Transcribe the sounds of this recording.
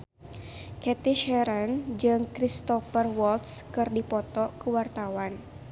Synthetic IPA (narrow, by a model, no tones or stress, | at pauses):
kɛt̪iʃɛɾɛnd͡ʒɨŋkɾist̪ɔfərwɔlt̪skɨrdipɔt̪ɔkəwart̪awan